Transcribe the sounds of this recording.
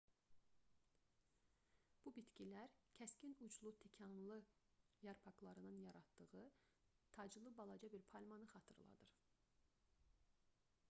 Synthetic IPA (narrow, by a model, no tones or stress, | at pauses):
b̥ubit̪cilæɾcʰæscinud͡ʒlˠut̪ʰecʰɑnlˠɯjɑɾpʰɑklˠɑɾɯnɯnjɑɾɑt̪d̪ɯʁɯ | t̪ʰɑd͡ʒɯlˠɯbɑlˠɑd͡ʒɑbiɾpʰɑlʲmɑnɯχɑt̪ʰɯɾlˠɑ̰d̪ɯɾ